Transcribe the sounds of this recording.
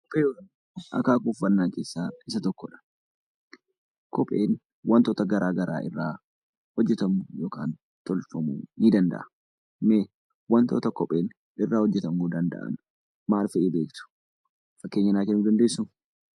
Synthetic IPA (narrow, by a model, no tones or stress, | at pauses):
kɔpʼeːjoːkɐn | ɐ̰kaːkufːɐnːaːŋke̞ːsːaːɪsɐt̪ɔkːɔᶑɐ̥ | kʰɔpʼḛːn | wɐnt̪ɔt̪ɐɡɐɾʔaːɡɐɾa̰ːʔɪ̰rːaː | hɔd͡ʒːɛt̪ɐmʊjoːkaːn | t̪ɔlfɐmṵniːd̪ɐnd̪ɐ̰ʔɐ | meː | wɐnt̪ɔːt̪ɐkɔpʼeːn | ɪrːaːhɔd͡ʒːɛt̪ɐmuːd̪ɐnd̪ɐ̰ʔɐ̰n | maːlfɐeːbe̞ːkt̪ʊ̥ | fɐkːe̞ːɲːɐnaːkɛnːuːd̪ɐnd̪e̞ːsːʊm